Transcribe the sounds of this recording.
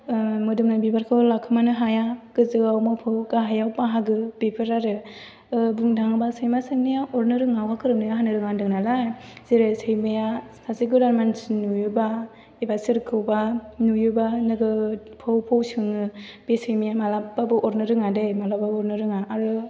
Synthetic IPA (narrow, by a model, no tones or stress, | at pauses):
mɯdɯmnabibaɾkʰɯlakʰɯmanɯɦajaɡɯzɯɡawmapʰɯwkaɦajawpaɦaɡɯb̥epʰɯɾaɾɯ | ɯbɯŋdʱaŋɯbasɯjmasɯŋnɯjaɔɾnɯɾɯŋawkʰakʰɯɾɯmnɯjaɦanɯɾɯŋandɯŋnalajz̥eɾesɯjmɯjasasiɡulaɾmansnujuba | ibasɯɾkʰɯwbanujubanɯɡɯ | pʰowpʰowsɯŋɯb̥esɯjmɯjamalababɯʔɔɾnɯɾɯŋadejmalabaɔɾnɯɾɯŋaʔːɾɯ